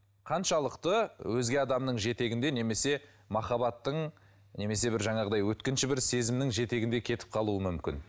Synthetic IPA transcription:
qʰɑnʃɑlˠəqt̪əwɵzɡʲe̞ɑd̪ɑmnəɴʒe̞t̪e̞ɡʲɪnd̪ene̞me̞se̞ | mɑχɑbɑt̪ːəɴ | ne̞me̞se̞bɪɾʒɑɴɑʁəd̪ɑjwɵt̪̚kʲɪnʃɪbɪɾse̞zɪmnɪŋʒe̞t̪e̞ɡʲɪnd̪e̞kʲʰe̞t̪ɪ̥p̚qʰɑlˠuəmʏmkʲɪ̰n

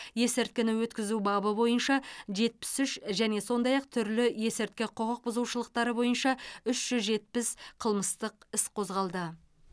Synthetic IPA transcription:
je̞sɪɾt̪̚kʲɪnɪwɵt̪kʲɪzubɑbəbo̞jənʃɑʒe̞t̪̚pɪ̥sʏʃʒæne̞so̞nd̪ɑjɑqt̪ʰʏɾlɪje̞sɪɾt̪̚kʲɪqʰoʁəq̚bʊzuwʃəlˠəqt̪ɑɾəbo̞jənʃɑʏʃʒ̥ʏzʒe̞t̪̚pɪsqʰəlˠməst̪əqɪsqʰo̞zʁɑlˠd̪ə

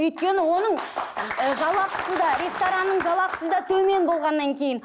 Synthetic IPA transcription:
ɵjt̪̚kʲe̞nɪwo̞nəɴəʒɑlˠɑqə̥səd̪ɑɾʲe̞st̪oɾanːəɴʒɑlˠɑqə̥səd̪ɑt̪ʰɵme̞nbo̞lˠʁɑnːɑŋkʲʰe̞jɪn

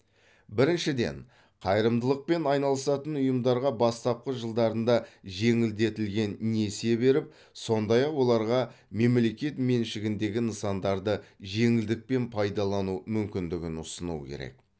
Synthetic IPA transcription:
bɪɾɪnʃɪd̪e̞̰ɴ | qʰɑjɾəmd̪əlˠəq̚pe̞nɑjnɑlˠəsɑt̪ənʊjəmd̪ɑɾʁɑbɑst̪ɑp̚qəʒəlˠd̪ɑɾənd̪ɑʒe̞ŋɪld̪e̞t̪ɪlɡʲe̞nːe̞se̞be̞ɾɪp̚ | so̞nd̪ɑjɑqwo̞lˠɑɾʁɑme̞mle̞kʲe̞t̪me̞nʃɪɡʲɪnd̪e̞ɡʲɪnəsɑnd̪ɑɾd̪əʒe̞ŋɪld̪ɪk̚pe̞npʰɑjd̪ɑlˠɑnumʏmkʲɪnd̪ɪɡʲɪnʊsənṵkʲʰḛɾe̞̰k̚

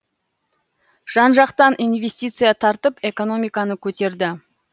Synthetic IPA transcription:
ʒ̥ɑnʒɑqt̪ɑnʔijnve̞sʲt̪ʲijt̪sɨjat̪ʰɑɾt̪əpe̞ko̞no̞mijkɑnəkʲʰɵt̪e̞ɾd̪ɪ

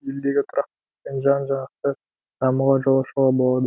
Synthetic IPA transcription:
je̞ld̪e̞ɡʲɪt̪ʰʊɾʔɑq̚t̪ɑpenʒɑnʒɑɴɑqt̪ə | d̪̥ɑməʁɑʒolˠɑʃəʁɑbo̞lˠɑd̪ə

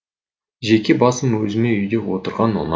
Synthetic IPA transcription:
ʒekʲe̞bɑsəmwɵzɪme̞ʏjd̪e̞wo̞t̪əɾʁɑnwo̰n

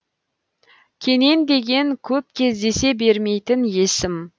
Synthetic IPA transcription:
kʲʰe̞ne̞nd̪e̞ɡʲe̞ŋkʲʰɵp̚kʲʰe̞zd̪e̞se̞be̞ɾme̞jt̪ɪnje̞sɪm

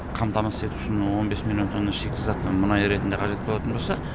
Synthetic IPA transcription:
qʰɑmt̪ɑmɑse̞t̪u̥ʃɪnwo̞nbe̞smilʲˠjo̞nt̪ʰo̞nːɑʃekʲɪzɑt̪ːəmʊnɑjɾe̞t̪ɪnd̪e̞qʰɑʒe̞t̪̚bo̞lˠɑt̪ənbosɑ

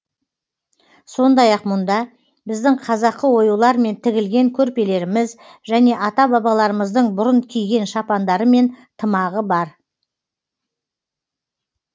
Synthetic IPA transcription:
so̞nd̪ɑjɑqmʊnd̪ɑ | bɪzd̪ɪŋqʰɑzɑqːəwo̞julˠɑɾme̞nt̪ʰɪɡʲɪlɡʲe̞ŋkʲʰɵɾpe̞le̞ɾɪmɪz | ʒæne̞ʔɑt̪ɑbɑbɑlˠɑɾəməzd̪əɴbʊɾənkʲʰijɡʲe̞nʃɑpɑnd̪ɑɾəme̞nt̪ʰəmɑʁəbɑɾ

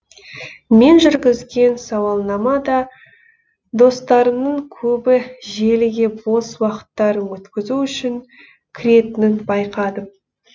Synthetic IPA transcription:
me̞nʒʏɾɡʲɪzɡʲe̞nsɑwɑlˠnɑmɑd̪ɑ | d̪o̞st̪ɑɾəmnəɴkʲʰɵbɪʒe̞lɪɡʲe̞bo̞swɑqə̥t̪ːɑɾənwɵt̪kʲɪzuʏʃɪŋ | kʲʰɪɾe̞t̪ɪnɪnbɑjqɑd̪əm

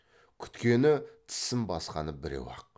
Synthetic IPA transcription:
kʲʰʏ̥t̪kʲe̞nɪt̪ʰɪ̥sɪmbɑsqɑnəbɪɾḛwɑ̰q̚

